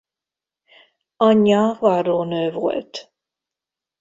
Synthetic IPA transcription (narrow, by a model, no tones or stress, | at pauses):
ɒɲːɑvɑroːnøːvo̰lt̪